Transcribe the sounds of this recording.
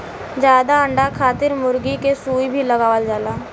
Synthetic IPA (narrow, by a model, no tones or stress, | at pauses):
d͡ʒjaːd̪aə̃ɳɖakʰaːt̪ɪɾmʊɾɡikesuːibʱiləɡaːʋəld͡ʒaːlaː